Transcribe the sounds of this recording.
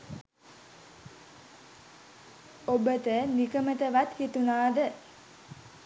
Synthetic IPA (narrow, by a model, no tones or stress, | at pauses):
obət̪ənikəmət̪əʋat̪hit̪unaːd̪ə